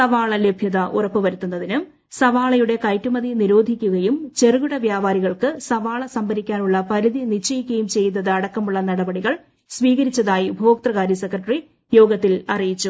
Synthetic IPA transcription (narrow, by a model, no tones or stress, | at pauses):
sɐʋaːɭɐle̞bʱjɐðɐʔurɐpːɨʋɐɾut̪ːunːɐðinɨ | sɐʋaːɭɐjuɽe̞kɐjtːumɐðiniɾo̞ːd̪ʱikʲːuɣɐjumt͡ɕe̞rɨɣuɽɐʋjaːbaːɾiɣɐɭkɨsɐʋaːɭɐsɐmbʱɐɾikʲːaːnuɭːɐpɐɾiðinit͡ɕːɐjikʲːɐjumt͡ɕe̞jnːɐðɨɐɽɐkːɐmuɭːɐnɐɽɐbɐɽiɣɐɭ | sʋiːɣɐɾit͡ɕːɐðaːjibʱoːk̚t̪rɐɣaːɾisekrɐʈɐri | jo̞ːɡɐt̪ːilɐrijit͡ɕːu